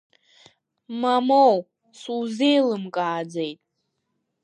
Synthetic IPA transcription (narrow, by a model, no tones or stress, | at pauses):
mamow | suwzejlɨmkʼaːd͡zejtʼ